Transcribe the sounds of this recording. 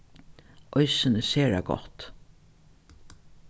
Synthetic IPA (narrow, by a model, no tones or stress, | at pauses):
ʔɔjsɪnəseːɹa̰ɡɔ̰ht̪